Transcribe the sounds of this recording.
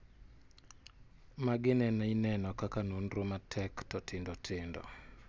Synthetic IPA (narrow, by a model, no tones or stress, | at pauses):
maɡɪnɛnainɛnɔkakanonɾomatʰɛktɔtɪndɔtʰɪndɔ̰